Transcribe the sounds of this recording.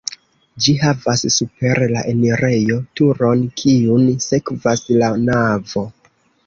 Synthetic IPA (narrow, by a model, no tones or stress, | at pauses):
d͡ʒiɦavasːupe̞ɾlaʔeneɾe̞jo̞tuɾo̞nkʰiunse̞kvaslanavo̞